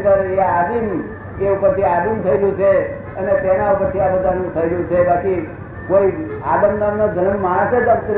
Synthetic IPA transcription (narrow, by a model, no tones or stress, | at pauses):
əɾaad̪im | t̪eupəɾt̪ʰiad̪imt̪ʰəiɾjũt͡ʃʰe | ənet̪enaupəɾt̪ʰiabəd̪ʱanũt̪ʰəiɾjũt͡ʃʰebaki | koiad̪ənd̪amnod͡ʒʱənmːaɦãset̪əkt̪ɾ